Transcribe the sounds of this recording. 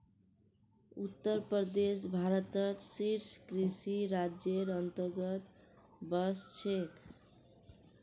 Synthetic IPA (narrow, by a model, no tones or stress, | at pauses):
ut̪ːəɾpəd̪es̬bʱaɾət̪ət̪siɾskɾisiɾad͡ʒjeɾənt̪əɾɡət̪bəst͡ʃʰek